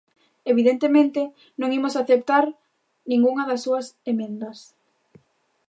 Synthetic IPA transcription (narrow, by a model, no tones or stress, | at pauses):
eβiðent̪emẽnt̪e | nõŋimosaθep̚t̪aɾ | nĩŋɡuŋɐðɐsːuɐsemẽnd̪ɐs